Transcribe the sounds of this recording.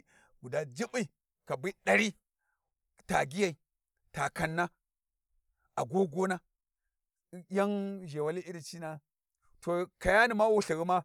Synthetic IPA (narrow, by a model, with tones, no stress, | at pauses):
ɡu˨da˨d͡ʒi˦bi˦ | ka˨bi˦ɗa˨ɾi˦ | ta˨ɡi˦ja˦˨i˨ | ta˨ka˨nːa˦ | a˨ɡo˦ɡo˦na˦ | ja˦ŋʒe˨wa˦li˦ʔi˦ɾi˨t͡ʃi˦na˦ | to˨ka˨ja˦ni˨ma˦wu˦ɬi˨ɣi˦ma˦